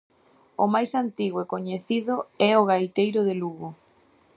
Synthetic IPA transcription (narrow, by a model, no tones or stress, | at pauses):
ʊmajsant̪iɣoekoɲeθiðʊɛoɣajt̪ejɾʊðeluɣʊ